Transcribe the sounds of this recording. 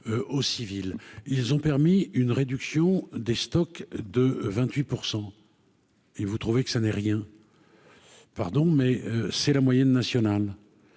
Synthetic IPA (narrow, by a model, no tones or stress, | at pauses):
øosivililzɔ̃pɛʁmiynʁed̪yksjɔ̃d̪est̪ɔkd̪əvɛ̃t̪ɥipuʁsɑ̃ | evut̪χuvekə̥sanɛʁjɛ̃ | paʁd̪ɔ̃mɛøsɛlamwajɛnːasjɔnal